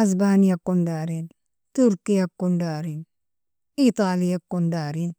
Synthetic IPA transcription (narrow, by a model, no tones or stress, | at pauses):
asbaːnijakːundaːɾin | t̪uɾkijakːundaːɾin | it̪aːlijakːondaːɾin